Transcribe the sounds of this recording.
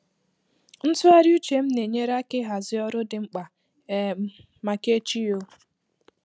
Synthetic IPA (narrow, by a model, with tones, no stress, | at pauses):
n̩˦tʊ˦a˦ɾju˦t͡ʃe˨m̩˦ne˨ɲe˦ɾa˦kɪ˦ɦa˨zɪ˦ɔ˦ɾʊ˦dɪ˨ŋ͡m̩˦k͡pa˨˦ | ma˨ke˦t͡ʃi˦jo˦